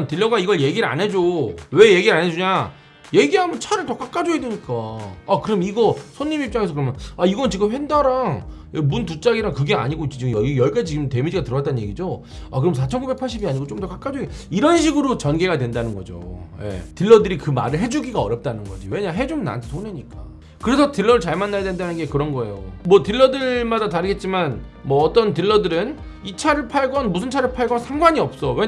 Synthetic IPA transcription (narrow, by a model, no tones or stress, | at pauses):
ntɯɭːʌɡaiɡʌɭje̞ɡiɾɯa̰nɦe̞d͡ʑowe̞je̞ɡiɾanɦe̞d͡ʑuɲa | je̞ɡiɦamʌnt͡ɕʰaɾɯɭtʌk͈ak͈ad͡ʑoedweɲik͈aːkɯɾʌmiɡʌsʰoɲːimip̚t͡ɕ͈aŋe̞s̬ʰʌkɯɾʌmjʌnaiɡʌnɯnt͡ɕiɡɯmɸwe̞ndaɾaŋ | emunt̬ut͡ɕ͈aɡiɾakɯɡe̞a̰ɲiɡoit͡ɕ͈ot͡ɕiɡɯmjʌijʌɭk͈et͡ɕiɡɯmte̞mid͡ʑiɡatɯɾʌat͈anɯnɲje̞ɡid͡ʑo | a̰kɯɾʌmsʰat͡ɕʰʌnɡubek̚pʰaɭɕ͈ibiaɲiɡot͡ɕomdʌk͈ak͈ad͡ʑoe | iɾʌnɕ̬ʰiɡɯɾot͡ɕʌnɡe̞ɡadwendanɯnɡʌ̰d͡ʑo̰je̞̰tɯɭːʌdɯɾikɯma̰ɾɯɭɦe̞d͡ʑuɡiɡaʌɾjʌp̚t͈anɯnɡʌ̰d͡ʑiwe̞ɲaɦe̞d͡ʑomnːa̰ntʰsʰone̞ɲik͈a | kɯɾe̞sʰʌtɯɭːʌɾɯɭt͡ɕaɭmanːajadendanɯnɡe̞kɯɾʌnɡʌe̞̰jomwʌtɯɭːʌdɯɭmadataɾɯɡet̚t͡ɕ͈iman | mwʌːt͈ʌntɯɭːʌdɯɾɯn | it͡ɕʰaɾɯɭpʰaɭɡʌnmusʰɯnt͡ɕʰaɾɯɭpʰaɭɡʌnsʰamɡwaɲiʌp̚s͈ʌwe̞